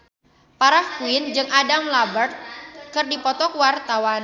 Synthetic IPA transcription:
paɾahkuɪnd͡ʒɨŋadamlabərt̪̚kɨrdipɔt̪ɔkwart̪awan

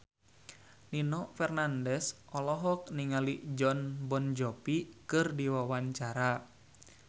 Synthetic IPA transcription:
ninɔfɛrnandɛsʔɔlɔɦɔk̚niŋalid͡ʒɔnbɔnd͡ʒɔpikɨrdiwawaɲt͡ʃaɾa

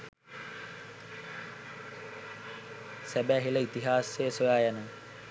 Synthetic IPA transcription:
sæbæɦiləit̪iɦaːsejəsojaːjanə

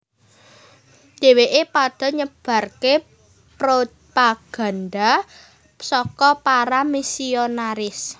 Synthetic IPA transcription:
d̪̥e̤weʔepaɖ̥ɔ̤ɲəb̥ä̤rke | pɾo | paɡ̥a̤nɖa | sɔkɔpaɾamisionaɾɪs

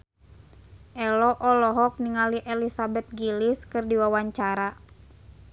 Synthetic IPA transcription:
ʔɛlɔʔɔlɔɦɔk̚niŋaliʔɛlisabɛt̪̚ɡiliskɨrdiwawaɲt͡ʃaɾa

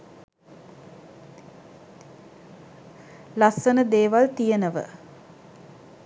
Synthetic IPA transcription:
lasːənəd̪eːʋalt̪ijənəʋə̰

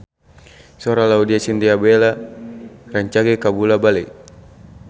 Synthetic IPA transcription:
sɔɾalaudiasind̪iabɛla | raɲt͡ʃaɡɛkabulabalɛ

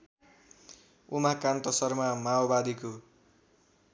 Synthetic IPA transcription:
umakant̪ʌsʌrmamaobad̪iko

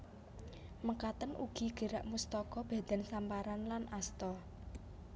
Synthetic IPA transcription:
məkat̪ənʔṵɡ̥i̤ɡ̥ə̤ɾa̰ʔmust̪ɔkɔb̥a̤d̪̥ɛ̤nsampaɾanlanʔast̪ɔ

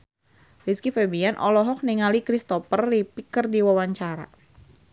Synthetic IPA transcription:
riskifɛbianʔɔlɔɦɔk̚niŋalikɾist̪ɔpərːipikərdiwawaɲt͡ʃaɾa̰

